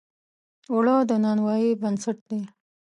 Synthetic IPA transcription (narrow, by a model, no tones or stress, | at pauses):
ʊɽɑd̪ənɑnwɑjibənsaʈ̚d̪e